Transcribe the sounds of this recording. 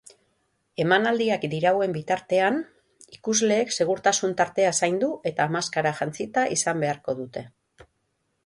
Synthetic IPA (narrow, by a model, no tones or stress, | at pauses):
e̞manald̪iakd̪iɾawe̞mbit̪aɾt̪e̞an | ikuzle̞ːkse̞ɣ̞uɾt̪asunt̪aɾt̪e̞asajnd̪uʔe̞t̪aːmaskaɾaʝant͡sit̪aʔisambe̞aɾko̞ðut̪e̞